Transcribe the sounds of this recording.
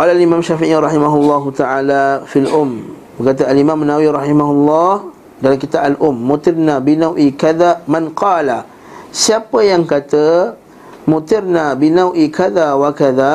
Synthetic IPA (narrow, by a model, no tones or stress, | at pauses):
qɑːlalimãmʃafiʔiɾˤɑhimaɦulːɑɦut̪aʔalafilʔʊm | bəkat̪̬aalimãmanːawiɾɑhimaɦulːɑh | dalamkit̪aʔalʔʊmːut̪ɪrnabinawʔikaðamãnqɑːlah | siapəjaŋkat̪ə | mut̪ɪrnabinawʔikaðawakaða